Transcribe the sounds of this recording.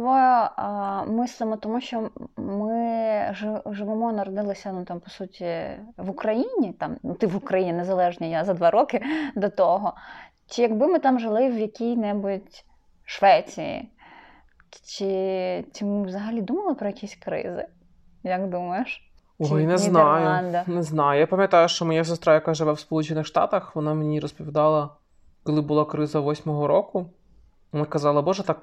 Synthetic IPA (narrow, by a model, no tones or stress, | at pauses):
ʋɔ | mɪsˠɪmɔt̪ɔmuʃt͡ʃɔmɪʒɪʒɪʋɪmɔnɐɾɔd̪ɪlˠɪsʲɐnut̪ɑmpɔ̥sutʲiʋʊkɾɐjinʲit̪ɑmnut̪ɪʋʊkɾɐjinʲɪnezɐlˠɛʒnʲijazɐd̪ʋɑɾɔkɪd̪ɔt̪ɔɦɔ | t͡ʃɪjɐɡbɪmɪt̪ɑmʒɪlˠɪwjɐkʲijnɛbʊtʲ | ʃʋɛt͡sʲijḭ | t͡ʃɪt͡ʃʲɪmɪʋzɐɦɐlʲid̪umɐlˠɪpɾɔjɐkʲisʲkɾɪ̰zɪ̰ | jɐkd̪umɐjɪʃ | ɔjnɛmʲzinɑjʊɑnd̪ɐnɛznɑjʊjapɐmʲjɐt̪ɑjʊʃt͡ʃɔmɔjas̬est̪ɾajɐkaʒɪʋɛwspɔlˠut͡ʃɪnɪxʃt̪ɑ̰t̪ɐxʋɔnɑmenʲiɾɔspɔʋʲid̪ɑlˠɐ | kɔlˠɪbʊlˠɑkɾɪzɐʋɔsʲmɔɦɔɾɔkʊ | mɛkɐzɑlˠɐbɔʒɛt̪ɑk